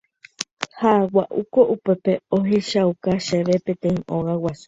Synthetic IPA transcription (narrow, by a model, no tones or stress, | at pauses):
hawaʔukoʔupe̞peoɦeʃaukaʃeʋepẽt̪ẽĩõɣawasu̥